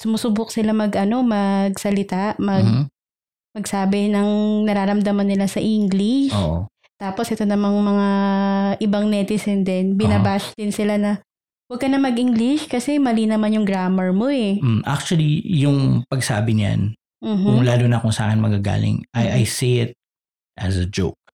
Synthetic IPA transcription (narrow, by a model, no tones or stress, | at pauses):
sʊmʊsʊbʊk̚sɪlamɐɡʔɐno̞mɐɡsɐlɪt̪aʔmɐɡ̚ | pɐɡ̚saːbɪnɐŋnɐɾaːɾɐmd̪amɐnːɪlasɐʔiŋɡlɪʃoʔo̰ | t̪aːposʔɛt̪o̞nɐmɐŋmɐŋaʔɪbaŋnɛt̪ɪsɛnd̪ɛnbɪnɐbaʃd̪ɪnsɪlanɐ | wɐɡ̚kɐnɐmɐɡʔiŋɡlɪʃkɐsɛmɐlinɐmanjʊŋɡɾaːmɛɹmoɛmmʔa̰k̚t͡ʃʊwɐlijʊŋpɐɡsa̰ːbɪɲa̰n | m̩ːɦʊŋlaːlonɐkʊŋsa̰ːkɪnmɐɡaɡa̰ːlɪ̰ŋʔɐjʔajsijɪt̪̚ | ʔɐsɐd͡ʒowk̚